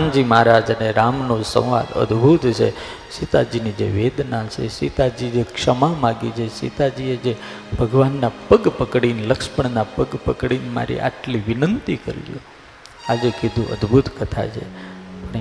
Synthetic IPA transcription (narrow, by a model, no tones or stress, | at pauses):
and͡ʒimaɾad͡ʒəneɾamnosə̰̃w̃ʋa̰d̪ə̰d̪bʱut̪t͡ʃʰḛ | ʃit̪ad͡ʒinid͡ʒḛʋed̪nat͡ʃʰḛsit̪ad͡ʒid͡ʒekʂəmamaɡit͡ʃʰesḭt̪ad͡ʒied͡ʒe | bʱəɡʋanːapəɡpəkɽinləkʃpəɳnapəɡpəkɽinma̰ɾḭʔa̰ʈliʋɪnənt̪ikə̰ɾ̰jṵ̃ | ad͡ʒekid̪ʱũʔə̰d̪bʱut̪kət̪ʰa̰t͡ʃʰḛne